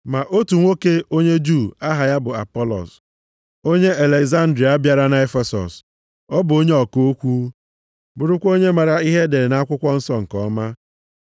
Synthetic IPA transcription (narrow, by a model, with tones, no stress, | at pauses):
ma˨ʔo˦tu˨ŋʷo˦ke˦o˦ɲe˦d͡ʒu˦˨a˦ɦa˨ja˦bʊ˨a̰˨pɔ˦lɔ̰˨s | o˦ɲe˦e˨le˨ɡza˦n̩˦dɾi˨a˨a˦bja˨ɾa˦na˨e˦fe˨sɔ̰˨s | ɔ˦bʊ˨o˦ɲe˦ɔ˨ko˦o˦kʷu˦ | bʊ˨ɾʊ˦kʷo˦ɲe˦ma˨ɾa˦i˦ɦe˦de˨ɾɪ˨na˨˦a˦kʷʊ˦kʷɔ˦n̩˦sɔ˦ŋ̩˨kɔ˦ma˦